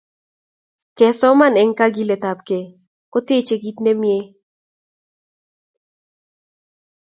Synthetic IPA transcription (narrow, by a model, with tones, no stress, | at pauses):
kɛ˨sɔ˦ma˦nɛ˨ŋka˦ɡi˦le˨t̪a˨p̚ke˨ | kɔ˦te˦t͡ʃe˨ɡi˦t̪ne˦mje˦